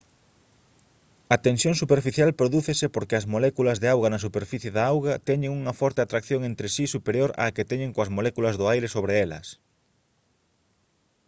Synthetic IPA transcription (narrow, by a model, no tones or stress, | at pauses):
ɐt̪ensjoŋsupeɾfiθjalpɾoðuθesepoɾkɪɐzmolɛkulɐzðeawɣɐnɐsupeɾfiθjeðaawɣɐt̪ɛɲeŋuŋɐfɔɾt̪eat̪ɾakθjõŋẽnt̪ɾesisupeɾjoɾa̰ket̪ɛɲeŋkoɐzmolɛkulɐzðʊajɾesoβɾeɛlɐ̰s